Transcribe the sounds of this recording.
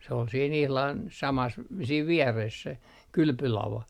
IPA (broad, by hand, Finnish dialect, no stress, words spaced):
se ol siːn ihlɑn sɑmɑs siːʋ ʋiɛres se kylpylɑʋɑ